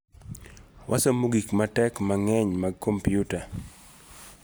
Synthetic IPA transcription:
wʔasomuɡikmatɛkmaŋɛɲmaɡ̚kompijuta

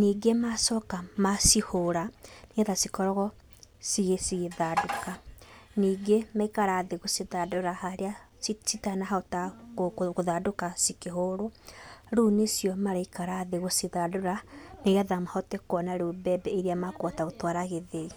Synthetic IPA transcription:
niːɡemasɔkamasihoɾaneaðasikɔɾɔɣɔ | siɣesiɣeðadokaniːɡemaikaɾaðeɣosiðadoɾahaɾea | sitanaɦataɣoðadokasikeɦoɾoɾunesjɔmaɾaikaɾaðeɣosiðadoɾaneɣaðamahɔtɛkwɔnaɾobɛbɛeɾeamakwataɣotwaɾaɣeðei

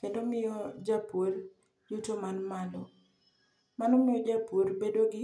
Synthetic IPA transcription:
kendomɪjɔd͡ʒapor | d͡ʒutomanmalɔ | manɔmɪjɔd͡ʒapoɾbedoɡɪ

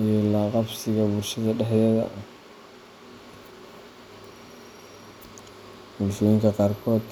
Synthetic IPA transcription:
jɛːlaːqɑbsɪɣɐbʊrʃɐðɐɖɛħjɛðɐ̰ | bʊlʃɔːjɪŋkʰɐqɑːrkʰɔːd̪

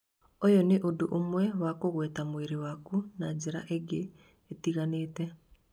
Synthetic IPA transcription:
ɔjɔneʔodoʔomwɛwakoɣwɛtamweɾewakunad͡ʑeɾa̰ʔeɡe | etiɣaneːtɛ

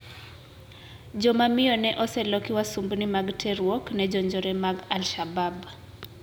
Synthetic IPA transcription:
d͡ʒɔmamiɔnɛʔɔsɛlɔkiwasumbunimaɡtʰɛɾwɔknɛd͡ʒɔɲd͡ʒɔɾɛmaɡalʃabab

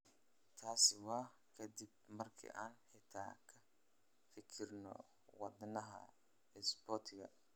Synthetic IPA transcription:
t̪ʰaːsɪwɑː | kʰɐd̪ɪb̚mɐrkʰḭʔaːnħɪt̪ʰa̰ːkʰɐ | fɪkʰɪrnɔ̰ | wɑd̪nɐɦɐ̰ | ɛsbɔt̪ʰɪɣɐ

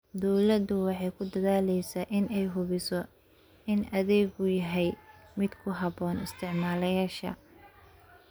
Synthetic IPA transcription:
d̪ɔwlɐd̪ʊwɑħɑjkʰʊd̪ɐðaːlɛjsaːʔɪnɛjɦʊβɪsɔ | ɪnʔɐðɛːɡʊjɐɦɛjmɪd̪kʰʊɦɐβɔːnɪst̪ʰɪʕmaːlɐjaːʃɐ̰

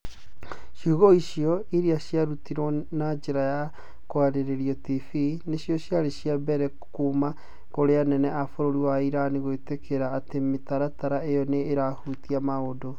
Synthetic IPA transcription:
ʃuɣɔiɕiɔiɾiaɕjaɾutiɾwɔnad͡ʒeɾaja | kwaɾeɾeɾijɔtifineɕjɔɕjaɾeɕijabɛɾɛ | kuma | koɾeanɛnɛafoɾoɾiwaiɾaniɣoetekeɾaːtemetaɾataɾaejɔneːɾahutiamaodo

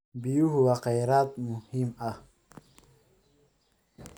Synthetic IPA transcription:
biuɦuwaqajɾaːt̪muhima

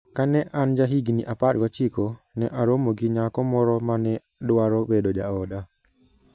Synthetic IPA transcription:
kanɛʔand͡ʒaɦiɡiniʔaparɡɔt͡ʃiko | nɛʔaɾomoɡiɲakɔmɔɾɔmanɛ | dwaɾɔwedod͡ʒaɔda

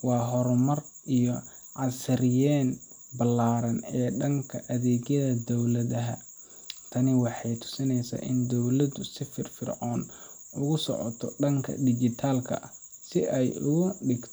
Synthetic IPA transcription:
wɑːɦɔɾmɐr | ʔijɔ | ʕɑsɪɾɪjɛːn | bɐlːaːɾɐnɛːɖɐŋkʰɐʔɐðɛːɡjɐðɐd̪ɔwlɐðɐɦɐ | t̪ʰɐnɪwɑħɑjt̪ʰʊ̥sɪnɛjsa̰ːʔɪnd̪ɔwlɐd̪ʊsɪfɪrfɪrʕɔːn | ʊɣʊsɔ̰ʕɔ̰t̪ʰɔɖɐŋkʰɐ̰d̪ɪd͡ʒɪt̪ʰaːlkʰɐ̰ʔɐ | sɪʔɛjʊɣʊɖɪɡt̪ʰɔ̥

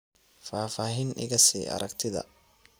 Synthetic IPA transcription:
faːfaːɦinʔɪ̰ɣɐsḭːʔɐ̰ɾɐɡt̪ʰɪðɐ̰

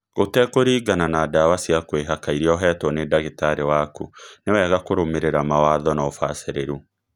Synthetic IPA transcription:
ɣotɛkoɾiːɡananaːdawasiakweɦakaiɾiɔɦɛːtɔnedaɣitaɾewakunewɛːɣakoɾomeɾeɾamawaːðɔnaɔfaseɾeɾu

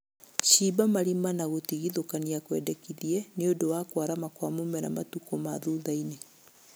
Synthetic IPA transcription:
ʃibamaɾimanaɣotiɣiðokaniakwɛdɛkiðiɛneodowakwaɾamakwamomɛna̰matukɔmaðuðaine

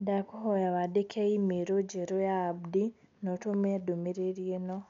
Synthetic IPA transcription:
dakuhojaβadekʰeimeɾoɟeɾojaːbdi | notomedumiɾeɾjeno

